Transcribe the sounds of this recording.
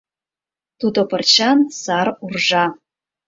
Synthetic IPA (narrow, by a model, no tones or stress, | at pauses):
t̪ʰud̪opʰɨrt͡ʃansarurʒɑ